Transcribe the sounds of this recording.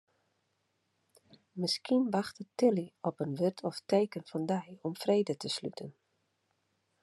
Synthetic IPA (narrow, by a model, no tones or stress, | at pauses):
mɪskinʋaxtətɪliɔpənʋørtʰɔfteːkənfɔndɛjɔmfreːdətəsly̰tʰən